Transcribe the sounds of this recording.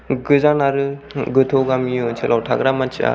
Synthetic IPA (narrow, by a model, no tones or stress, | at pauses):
ɡɯzanaɾɯɡɯtʰoɡamijot͡ʃʰelʔawtʰaɡɾamant͡ʃia̰